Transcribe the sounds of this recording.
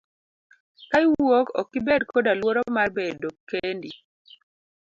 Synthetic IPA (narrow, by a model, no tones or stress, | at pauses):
kaiwwokɔ̰kːibɛdkʰodalwoɾomarbedokːendi